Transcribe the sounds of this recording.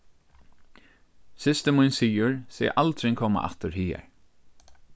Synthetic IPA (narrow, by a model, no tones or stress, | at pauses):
sɪst̪əmunsiːʊɹsɛ̰ːʔalt̪ɾɪŋkʰɔːma̰ʔa̰ht̪əɾhiːɛ̰ɹ